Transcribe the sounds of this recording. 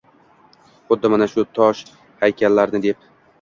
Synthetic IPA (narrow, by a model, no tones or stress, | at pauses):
χʊd̪ːɪmanaʃʊt̪ʰɒʃ | hajkʲʰalːaɾnɪd̪e̞p̚